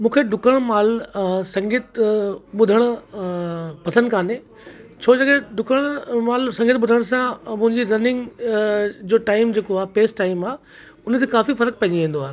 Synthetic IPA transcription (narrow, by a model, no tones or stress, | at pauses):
mũːkʰeɖʊkəɽ̃maːlsɐ̃ŋɡit̪ɓʊd̪ʱəɽ̃ʊ̆ | pɐsə̃nd̪kʰaːne | t͡ɕʰoːd͡ʑɐɠeɖʊkəɽ̃maːlsɐ̃ŋɡɪt̪̚ɓʊd̪ʱəɽ̃sãmʊ̃ɦɪ̃ɲd͡ʑiɾɐnɪ̃ŋɡ | d͡ʑoːʈaːɪmd͡ʑeːkoaːɦpeːsʈaːɪmaː | ʊnə̆t̪ʰekaːfifɐɾək̚pɐ̃ɲiʋẽːn̆d̪oaːɦe